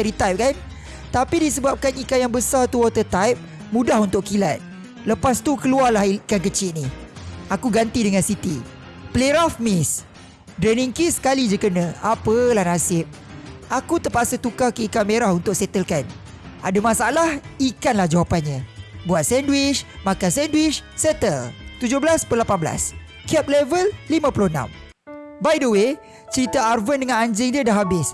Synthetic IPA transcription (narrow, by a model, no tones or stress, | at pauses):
əɾit̪ajp̚kan | t̪apidisəbap̚kanikajaŋbəsart̪uɔt̪ət̪ajp̚ | mũdahunt̪ʊʔkilat̪̚ | ləpast̪ukəluarlahkankət͡ʃɪʔ̪nihakuɡant̪idəŋãnsit̪i | pleɾafmɪs | dɾeniŋkisə̥kalid͡ʒəkənə̃apəlahnasɪp̚ | akut̪əpasət̪ukahkəikameɾahunt̪ʊk̚sɛt̪əlkan | ʔadamãsaalahikanlahd͡ʒawapanɲãbuat̪̚sɛndwɪt͡ʃmakansɛndwɪt͡ʃsɛt̪əlt̪ud͡ʒʊhbəlaspəlapanbəla̰s | kɛp̚lɛvəlːimãpuluhnã̰m | bajdəwe | t͡ʃəɾit̪əarvəndəŋãnaɲd͡ʒɪŋdiədaɦabɪs